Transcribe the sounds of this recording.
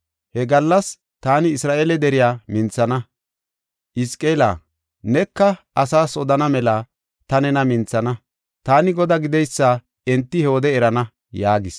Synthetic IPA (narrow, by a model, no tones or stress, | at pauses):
hɛɡɐlːɐs | t̪aːnɪːsɾaːʔeːlɛd̪ɛɾɪjaːmɪnt͡sːɐnɐ | ʔɪskʼeːla̰ː | nɛkːɐʔɐsaːsɔd̪ɐnɐmɛlɐ | t̪ɐnɛnɐmɪnt͡sːɐnɐ | t̪aːnɪɡɔd̪ɐɡɪd̪ɛjsːa | ɛnt̪ːɪhɛwɔd̪ɛɛɾɐnɐ | jaːɡɪs